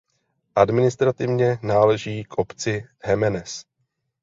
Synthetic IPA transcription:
ʔadmɪnɪst̪ɾat̪ɪvɲɛnaːlɛʒiːkʔo̞pt͡sɪhɛmɛnɛs

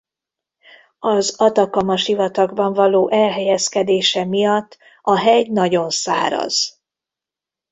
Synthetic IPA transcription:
ɒzɒt̪ɒkɒmɒʃivɒt̪ɒɡbɒɱvɒloːʔɛlɦɛjɛskɛd̪eːʃɛmijɒt̪ː | ɒɦɛjnɒɟo̞nsa̰ːɾɒ̰z̥

